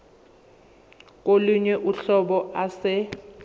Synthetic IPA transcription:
k̬ʼoluɲɛʔuɬɔɓɔʔasɛ

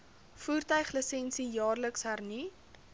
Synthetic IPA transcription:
fuːrtœɥχləsɛnsijɑːrləksɦærni

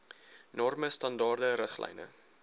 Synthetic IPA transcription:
nɔrməstɐndɑːrdəɾəχlɛ̰jnə̰

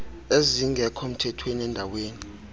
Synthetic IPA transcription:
eziŋɡʱɛkʰɔm̩tʰɛtʰweniɛndʱaweːni

